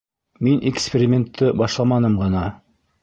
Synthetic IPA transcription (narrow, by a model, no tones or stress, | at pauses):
minʔekspʲɪɾʲɪmʲent̪ʰːɘbɑʃlˠɑmɑnɤmʁɤ̆nɑ